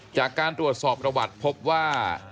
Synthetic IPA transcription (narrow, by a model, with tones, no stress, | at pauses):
t͡ɕaː˨˩kːaː˧nt̪ɾu˨˩ət̪̚sɔː˨˩p̚pɾa˧wa˨˩t̪̚pʰo˦˥p̚waː˥˩